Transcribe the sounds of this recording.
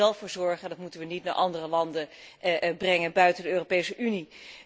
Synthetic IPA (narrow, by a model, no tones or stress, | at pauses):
ɛlˠfʊːɹzɔɹχəndɑtmutənʋənitna̰ɹʔɑndərəlɑndə | brɛŋənbœɥtəndəøːropejsəʔyni